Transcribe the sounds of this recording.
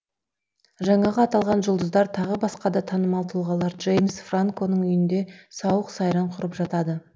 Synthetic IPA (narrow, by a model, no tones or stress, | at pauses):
ʒɑɴɑʁəɑt̪ɑlˠʁɑnʒʊlˠd̪əzd̪ɑɾt̪ʰɑʁəbɑsqɑd̪ɑt̪ʰɑnəmɑlˠt̪ʰəlˠʁɑlˠɑɾʒe̞jmsfraŋko̞nəɴʏjɪnd̪e̞sɑwəqsɑjɾɑɴqʰʊɾəpʒɑt̪ɑd̪ə